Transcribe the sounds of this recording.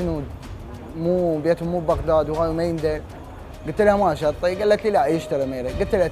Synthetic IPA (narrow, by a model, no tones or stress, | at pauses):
ɪnu | muːbeːt̪hʊmːuːbbaɣd̪aːd̪whaːjumajɪnd̪aɾ | ɡʊlt̪lhamaʃɑɾt̪ˤːiɡalːat̪lilaʔjɪʃt̪ɑɾimeːɾiɡʊt̪lha